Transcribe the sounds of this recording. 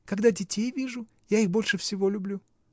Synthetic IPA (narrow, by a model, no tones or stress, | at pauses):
kɐɡd̪adʲɪtʲejvʲiʐʊ | jaixbo̞lʲʂɨfsʲɪvo̞lʲʊblʲu